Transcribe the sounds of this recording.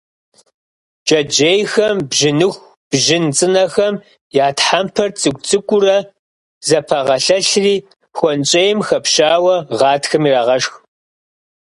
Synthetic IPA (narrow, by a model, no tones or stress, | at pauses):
d͡ʒʼɐd͡ʒejxɐmbʒɪnɨxʷ | b̥ʒɪnt͡sʼɨnɐxɐm | jaːtħampʰɐrt͡sʼɨɡʷt͡sʼɨkʷʼʊrɐ | zɐpʰɐʁɐɬɐɬriː | xʷɔnt͡ʃʼejɪmxɐpʃaːwɐʁɑːtʰxɐmiraːʁɐʂx